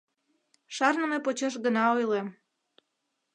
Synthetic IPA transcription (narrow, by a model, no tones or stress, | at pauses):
ʃɑrnə̆mepot͡ɕeʃ̬ɡənɑojlem